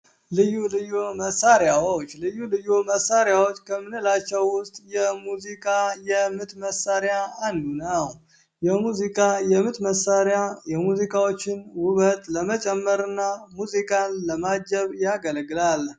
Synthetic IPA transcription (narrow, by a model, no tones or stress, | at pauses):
lɨjulɨjoməsːaɾjawot͡ʃːlɨjːulɨjoməsaɾjawo̞t͡ʃːkʰəmɨnɨlat͡ʃːɛwːʊst̪ʼjɛmuzikʼajɛmɨt̪məsːaɾjaːnd̪unəw | jɛmuzikʼajɛmɨt̪məsːaɾjajɛmuzikʼawot͡ʃːɪnwʊβət̪ʼləmət͡ʃʼɛmːəɾɨnːamuzikʼanləmad͡ʒəβjaɡəlɡɨlal